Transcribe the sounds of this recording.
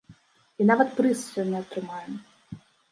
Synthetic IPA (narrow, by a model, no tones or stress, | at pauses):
inavɐt̪pɾɨssʲɔnʲɛɐt̪ɾɨmajɛm